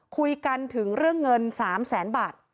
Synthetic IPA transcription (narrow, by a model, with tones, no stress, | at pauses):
kʰu˧jka˧nt̪ʰɯ˩˦ŋɾɯ˥˩əŋːɤ˧nsaː˩˦msɛː˩˦nbaː˨˩t̪̚